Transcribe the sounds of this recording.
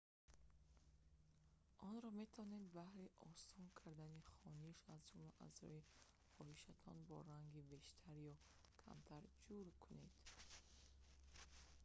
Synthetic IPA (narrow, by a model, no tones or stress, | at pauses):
ʔɔnɾɔme̞t̪ʰavɔned̪bahɾiʔɔ̰sɔŋkʰaɾd̪aniχɔniʃazd͡ʒumlaʔa̰zɔ̰i | χɔhiʃat̪ʰɔnbɔ̰ɾaŋɡibe̞ʃt̪ʰaɾjɔ | kʰa̰mt̪ʰaɾd͡ʒuɾkʰune̞d̪̥